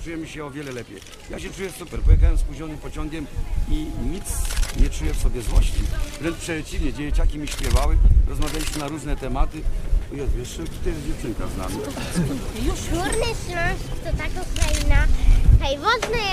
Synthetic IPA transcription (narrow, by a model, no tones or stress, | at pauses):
t͡ʂujɛmʲiɕɛɔvʲjɛlɛlɛpʲjḛj | jaɕɛt͡ʂujɛsupɛɾpɔjɛxawɛmspuʑɔnɘmpɔt͡ɕɔŋɡʲɛmiɲit̪sɲɛt͡ʂujɛfsɔbʲjɛzwɔ̰ɕt͡ɕḭvɾɛntpʂɛt͡ɕivɲɛd͡ʑɛjet͡ɕakʲimʲiɕpʲjɛvawɘɾʔɔzmavʲjalʲiɕmɘnaɾuʐnɛt̪ɛmat̪ɘɔjɛt̪vʲjɛʂɛt̪ut̪ɔjɛzd͡ʑɛft͡ʂɘŋkazna̰mʲi | ʃuɾnɛɕlɔ̃skʲi̥t̪ɔt̪akɔ̃w̃kɾainat̪ajvɔznɛ